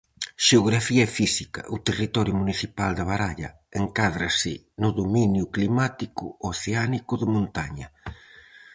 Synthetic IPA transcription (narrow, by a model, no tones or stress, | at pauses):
ʃeoɣɾafiɐɛfisikɐ̰ʔut̪erit̪ɔɾjʊmuniθipald̪ɪβ̞aɾaʎɐ̰ | eŋkaðɾasɪ | nʊðominjʊklimat̪ikʊ̰oθeanikʊðɪmõnt̪aɲɐ